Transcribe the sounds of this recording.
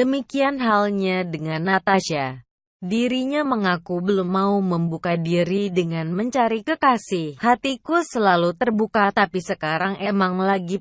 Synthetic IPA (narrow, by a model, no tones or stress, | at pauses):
dəmikianɦalɲadəŋanːat̪aʃa | diɾiɲaməŋakubəlʊmːauməmbukadiɾidəŋanməɲt͡ʃaɾikəkasɪhhat̪ikusəlalut̪ərbukat̪apisəkaɾaŋʔemaŋlaɡi